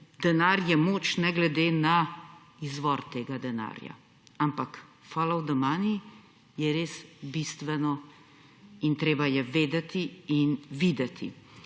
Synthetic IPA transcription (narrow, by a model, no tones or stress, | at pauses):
d̪ɛnaːɾjɛmoːt͡ʃnɛɡlɛd̪eːna | izʋɔɾt̪eːɡad̪ɛna̰ːɾja̰ | ampak | faːlawd̪əmaːni | jɛɾeːsbist̪ʋɛnɔ | int̪ɾeːbajɛʋeːd̪ɛt̪iinʋiːd̪ɛt̪ʰḭ